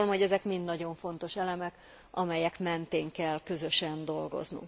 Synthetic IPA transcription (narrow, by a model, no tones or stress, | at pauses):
lomho̞ɟɛzɛkmind̪nɒɟo̞ɱfo̞n̪t̪o̞ʃɛlɛmɛk | ʔɒmɛjɛkmɛnt̪eːŋkɛlkø̞zøʃɛnd̪o̞lɡo̞̰znṵŋk